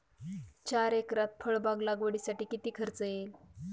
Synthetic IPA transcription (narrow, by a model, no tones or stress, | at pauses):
t͡ɕaɾekɾat̪̚fʰəɭbaɡlaɡʋəɽiːsaʈiːkit̪iːkʰəɾt͡səjel